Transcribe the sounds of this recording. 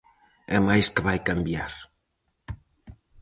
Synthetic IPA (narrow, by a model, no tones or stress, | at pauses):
ɛmajskəβajkambjaɾ